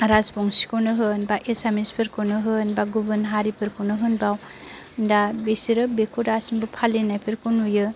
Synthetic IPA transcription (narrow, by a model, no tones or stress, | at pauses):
aɾazboŋsi̥kɯwnɯɦɯnbaʔesamispʰɯɾkownɯɦɯnbaɡubɯnɦaɾipʰɯɾkʰɯwnɯɦɯnbaw | ndabesiɾɯbekʰudasiŋbupʰalenajpʰiɾkonujɯ